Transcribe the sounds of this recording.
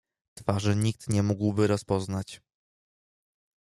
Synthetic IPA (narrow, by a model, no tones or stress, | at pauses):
t̪faʐɘɲikt̪ɲɛmuɡwbɘɾɔspɔznat͡ɕ